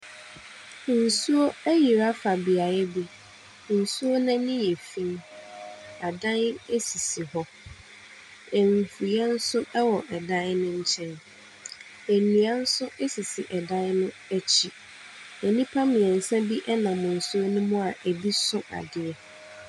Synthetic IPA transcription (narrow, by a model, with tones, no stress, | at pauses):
n̩˨su˦o˦ɛ˦ji˨ɾa˦fa˨bi˨a˨jɛ˦bi˦ | n̩˨su˦o˦nã˦nɪ̃˦jɛ˨fĩ˦n | a˨dã˦ne˦si˨si˨hɔ˦ | ɛ˨m˨fu˨jɛ˦n̩˦sʊ˦wɔ˨ʔɛ˨dã˦n˦nʊ̃˦ɲ̩˦t͡ɕʰɛ̃˦n | æ˨nũ˨a˦n̩˦sʊ˦ɛ˦si˨si˨ʔɛ˨dã˦n˦nʊ̃˦ | æ˦t͡ɕʰi˨ | ɛ˨nĩ˦pʰa˦mɪ̃˨ɛ̃˨n̩˨sɛ̃˦bi˦ʔɛ˦nã˨mʊ̃˨n̩˨su˦o˦nʊ̃˦mʊ̃˦a˨ʔe˨bi˦sʊ̃˦ʔa̰˨dɪ˦ɛ˦